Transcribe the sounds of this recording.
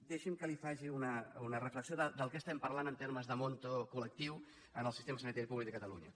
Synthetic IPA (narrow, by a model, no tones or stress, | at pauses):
d̪ɛʃimkəlifaʒiunəunərəfləksioðəd̪əlˠkɛəst̪ɛmpərlanənt̪eɾməzðəmont̪okulək̚t̪iw | ənəlˠsist̪eməsənit̪aɾipuβlik̪̚əkət̪əlṵɲə̰